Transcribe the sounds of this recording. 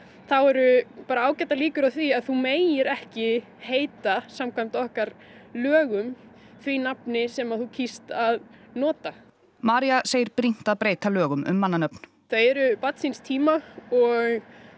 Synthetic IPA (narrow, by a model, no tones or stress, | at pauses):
θawɛɾʏpaːɾaaːwcɛt̪aliːkʏɾawθviaðθumeːjjɪɾɛhcɪ | heːjt̪asamkʰajmt̪ɔhkaɾ | lœːɣʏm | θvinapnɪsɛmaðθucʰist̪aðnɔːt̪a | maːɾiaseːjɪɾpɾin̥t̪aðpɾeːjt̪alœːɣʏmʔʏ̰mːanːanœp̚n̥ | θœɛɾʏpat̪sinst̪ʰiːmaɔɣ